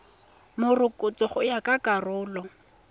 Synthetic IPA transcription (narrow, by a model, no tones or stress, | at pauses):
mʊrʊkʼʊt͡sʼɔχʊjakʼakʼarʊːlɔ